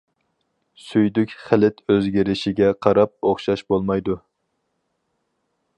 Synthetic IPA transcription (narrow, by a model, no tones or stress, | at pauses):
syjd̪ykʲχælɪt̪ʰøzɡʲiɾɪʃɪɡʲɛqʰɑɾɑp̚oχʃɑʃbolˠmɑjd̪u